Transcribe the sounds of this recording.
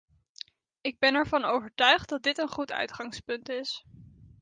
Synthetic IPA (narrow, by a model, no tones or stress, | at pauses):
ɪɡ̚bɛnɛɹvɑnowvəɹtœɥχt̚dɑd̚dɪtənχutœ̰ɥtχɑŋspɵntɪs